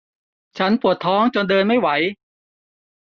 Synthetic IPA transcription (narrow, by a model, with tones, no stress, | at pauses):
t͡ɕʰa˦˥npu˨˩ət̪ʰːɔː˦˥ŋt͡ɕo˧ndɤː˧nma˥˩jwa˩˦j